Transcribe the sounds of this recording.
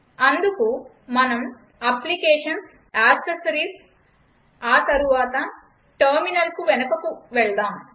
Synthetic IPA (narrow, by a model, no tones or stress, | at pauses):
ɐnd̪uku | mɐnɐm | ɐplikeːʂɐns | aːsɐsɐɾiːs | aːt̪ɐɾuʋaːt̪ɐ | ʈɐɾminɐlkuʋɛnɐkɐkuʋɛɭɐd̪aːm